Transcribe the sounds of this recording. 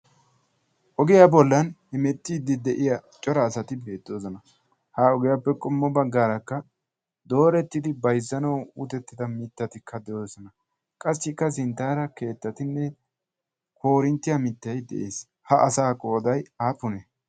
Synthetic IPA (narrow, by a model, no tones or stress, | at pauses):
ʔɔɡɪjabɔlːɐnhɛmɛt̪ːiːd̪ɪd̪ɛʔɪjat͡ʃʼɔɾɐːsɐt̪ɪbe̞ːt̪ːoːzɔnɐ | haːɔɡɪjapːɛkʼʊmːɔbɐɡːaːɾɐkːɐ | d̪o̞ːɾɛt̪ːɪd̪ɪbɐjzːɐnɐwʊt̪ɛt̪ːɪd̪ɐmɪt̪ːɐt̪ɪkʰːɐd̪ɛʔoːsɔnɐ | kʼɐsːɪkːɐs̬ɪnt̪ːaːɾɐke̞ːt̪ːɐt̪ɪnːɛ | kʰo̞ːɾɪnt̪ːɪjamɪt̪ːɐjd̪ɛ̰ʔeːs | hɐʔɐsaːkʼo̞ːd̪ɐjaːpʊnɛ